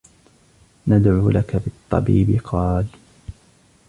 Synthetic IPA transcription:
nad̪ʕuːlʔakabɪt̪ˤːɑ̰biːbɪqʰɑːl

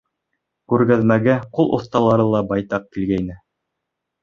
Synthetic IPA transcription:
kʉɾɡæðmæɡæqulˠʔŏ̰θt̪ɑlˠɑɾɤlˠɑbɑjt̪ɑq̚kilɡæjnɘ

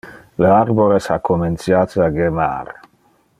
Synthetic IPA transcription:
leaɾboɾesakːomensjaːt̪aɡema̰ɾ

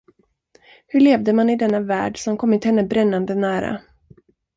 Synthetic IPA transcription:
hɵɭeːvd̪əmanɪd̪ɛnːavæ̰ːɖsɔmkʰɔmːɪt̪hɛnːəbɾɛnːand̪ənæːɾa̰

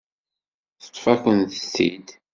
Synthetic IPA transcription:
θə̥t̪ˤːfækənθə̥stːḭd̪

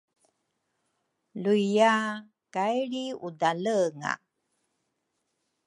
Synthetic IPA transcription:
luija | kajɾiudaləŋa̰

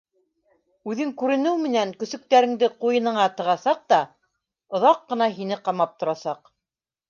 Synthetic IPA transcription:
ʉðɘŋkʉɾɘ̆nɘwmɘ̆næŋkɵ̆sɵ̆k̚t̪æɾɘ̆ŋd̪ɘqujɤ̆nɤ̆ɴɑt̪ɤ̆ʁɑsɑq̚t̪ɑ | ŏðɑqːɤ̆nɑɦinɘqɑmɑp̚t̪ŏɾɑsɑq

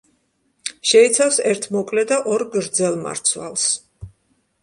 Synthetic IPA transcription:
ʃɛit̪sʰafsɛɾt̪ʰmɔkʼlɛd̪aʔɔɾɡɾd̪zɛlˠma̰ɾt̪sʰwa̰lˠs

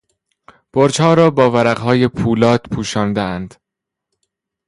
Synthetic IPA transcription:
b̥oɾt͡ʃhɒːɾɒːbɒːvæɾæɣɦɒːje̞pʰuːlɒːt̪pʰuːʃɒːnd̪eænd̪̥

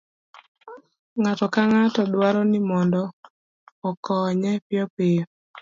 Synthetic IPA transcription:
ŋatɔkaŋatɔdwaɾɔnɪmɔndɔː | kɔɲɛpɪɔpejɔ

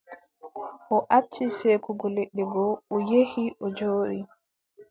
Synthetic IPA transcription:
ʔɔʔat͡ʃːiseːkuɡɔleɗːɛɡɔɔjehiʔɔd͡ʒoːɗi

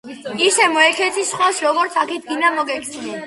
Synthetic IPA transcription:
isɛmɔɛkʰɛt̪ʰisχɔsɾɔɡɔɾt̪sʰakʰid̪ɡinamɔɡɛkʰsɛnɛ

